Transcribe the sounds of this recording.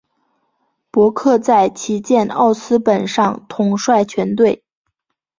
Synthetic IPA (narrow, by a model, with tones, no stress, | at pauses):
pwɔ˧˥kʰɤ˥˧t͡sa˥˩ɪt͡ɕʰi˧˥t͡ɕjɛ˥˧nɑ̰˥˩ʊsɹ̩˥pə˨˩nʂɑ˥˧ŋt̪ʰʊ˨˩ŋʂwa˥˩ɪt͡ɕʰɥɛ˧˥nt̪̬we˥˩ɪ